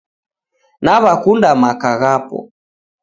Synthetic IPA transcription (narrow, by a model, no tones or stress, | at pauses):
naβakundamakaɣapɔ̰